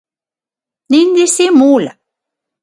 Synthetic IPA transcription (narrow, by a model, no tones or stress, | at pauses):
nind̪isimula